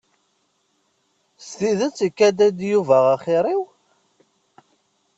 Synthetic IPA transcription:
st̪iðæt͡sːikːæd̪æd̪juvæʁaχɪɾˤiw

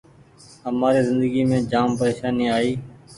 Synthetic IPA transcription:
ɦəmaːɾiːzɪ̃nd̪əɡiːmẽːd͡ʒaːmpəɾeːʃaːniːaːiː

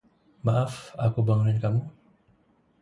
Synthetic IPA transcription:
maʔafakubaŋunankamu

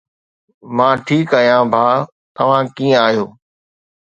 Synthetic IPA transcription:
mãːʈʰiːkəɦijãbʱaː | t̪ɐʋ̤ãːkĩːə̃aːɦijoː

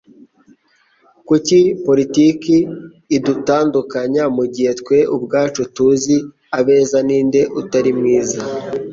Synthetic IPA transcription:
kucipo̞ɾitikiː | dutaːndukaɲamuɟihe̞tkwe̞ʔubɡaːt͡ʃutuzi | aβe̞ːzaniːnde̞ʔutaɾimŋiːza

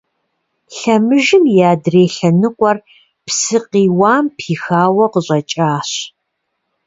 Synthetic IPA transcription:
ɬɐmɨʒɪmjaːdreːɬɐnɨqʷʼɔr | psɨqiːwaːmpʰiːxaːwɐqəɕʷʼɐt͡ʃʼaːɕ

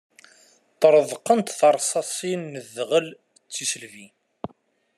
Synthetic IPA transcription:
t̪ˤɾˤəðˤqənt̪θɑɾˤsɑsˤinːəðʁəl | t͡sːisəlvi

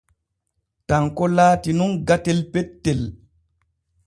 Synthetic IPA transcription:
taŋkɔlaːtinunɡatɛlpɛtːɛl

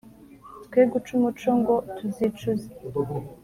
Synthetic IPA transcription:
tkweːɡut͡ʃumut͡ʃoŋɡotuzit͡ʃuze

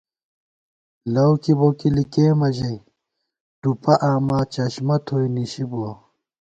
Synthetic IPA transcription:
lɐwkiboːkilikeːmɐʑɐj | ɖupɐʔaːmaːt͡ɕɐɕmɐt̪ʰoːjniɕibo

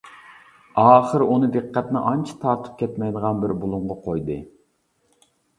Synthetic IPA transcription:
ɑːχəɾunɨd̪ɨqːæt̪nɪʔɑnt͡ʃʰi̥t̪ʰɑɾt̪ʰu̥p̚kʲʰɛt̪mɛjd̪əʁɑnbɪɾbulˠuɴʁɑqʰojd̪ɨ

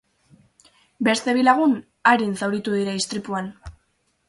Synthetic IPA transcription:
be̞st̪e̞βilaɣ̞un | aɾinsawɾit̪uðiɾaist̪ɾipuan

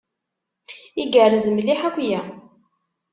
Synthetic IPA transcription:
iɡərːzəmliħækʷjæ

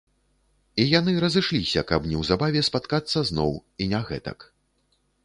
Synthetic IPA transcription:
ijan̪ɨɾɐzɨʂlʲisʲɐkɐpnʲɛwzabavʲɛspat̪kat̪sːɐznɔwinaɣɛ̰t̪ɐ̰k

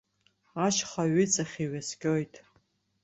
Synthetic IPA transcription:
aʃχaɥɪt͡sʼaχʲiɥaskʲʼojtʼ

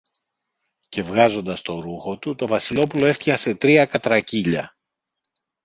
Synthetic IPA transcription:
ce̞vɣɐzo̞nd̪ɐst̪o̞ɾuxo̞t̪ut̪o̞vɐsilo̞pulo̞e̞ft̪içɐse̞t̪ɾiɐkɐt̪ɾɐciʎɐ̰

